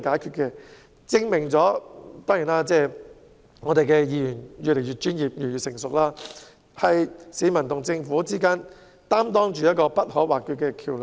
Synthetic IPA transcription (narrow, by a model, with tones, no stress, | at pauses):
kaː˨˥jkʰyː˧t̚kɛ˧ | t͡sɪ˥ŋmɪ˨˩ŋt͡sɔː˨˥t̪ɔː˥ŋji˨˩naː˥t͡sɛː˥˩ | ŋɔː˨˧t̪e˨jkɛː˧jiː˨˧jyː˨˩njyː˨le˨˩jy˨t̚t͡ʃyː˥njiː˨˩p̚jyː˨˩njyː˨t̚sɪ˨˩ŋsʊ˨k̚laː˥ | hɐ˨jsiː˨˥mɐ˨˩nt̪ʊ˨˩ŋt͡sɪ˧ŋfuː˨˥t͡siː˥kaː˥n | t̪aː˥mt̪ɔː˥ŋt͡ʃyː˨jɐ˥t̚kɔː˧pɐ˥t̚hɔː˨˥waː˨kyː˧t̚kɛː˧kʰiː˨˩wl